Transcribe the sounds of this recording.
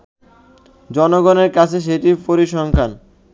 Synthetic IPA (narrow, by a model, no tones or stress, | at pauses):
d͡ʑɔnoɡɔneɾkat͡ɕʰeʃ̬eʈipoɾiʃɔŋkʰan